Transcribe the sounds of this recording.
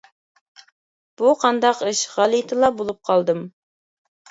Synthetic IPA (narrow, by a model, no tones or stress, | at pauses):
b̥uqʰɑnd̪ɑqɨʃʁɑlˠit̪ʰɨlˠɑbolˠup̚qʰɑlˠd̪ɨm